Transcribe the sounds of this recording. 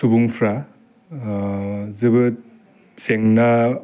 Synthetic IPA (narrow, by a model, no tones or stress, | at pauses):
subuŋpʰɾa | zɯbɯ | seŋna